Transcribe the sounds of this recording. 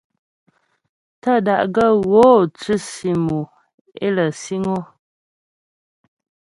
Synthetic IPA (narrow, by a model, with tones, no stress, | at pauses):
ta˦˨da˦˨ʔɡə˦˨ɣoː˨˦˨t͡sʉ˦si˨mu˨ | ḛ˦lə˨si˦ŋo˦